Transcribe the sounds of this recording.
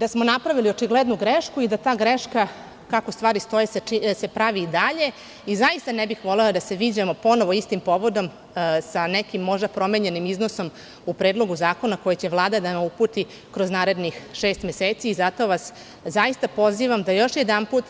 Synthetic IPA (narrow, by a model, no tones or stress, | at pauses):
d̪asmo̞napɾaʋiliot͡ʃiɡled̪nuɡɾeʃkuid̪at̪aːɡɾe̞ʃka | kako̞st̪ʋaːɾist̪o̞jeseisepɾaʋid̪aʎe̞ | izajist̪anebixʋo̞leod̪ase̞ʋiːd͡ʑamo̞po̞no̞ʋoist̪impo̞ʋo̞d̪o̞m | sanekimːo̞ʒd̪apɾo̞meːɲe̞nimiznoso̞m | upɾed̪lˠo̞ɡuzaːko̞nako̞jet͡ɕeʋlˠaːd̪ad̪amaupuːt̪i | kɾo̞znaːɾe̞d̪nixʃeːst̪meseːt̪siːzat̪o̞ʋas | zaist̪apo̞ziʋamd̪ajo̞ʃjed̪anpuːt̪